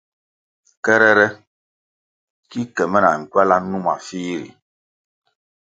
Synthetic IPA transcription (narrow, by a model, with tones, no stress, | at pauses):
kɛ˦ɾɛ˦ɾɛ˦ | ki˦kɛ˨mɛ˦na̰˨ŋ̩˨kwa˦la˦nũ˦ma̰˨fiː˦ɾḭ˨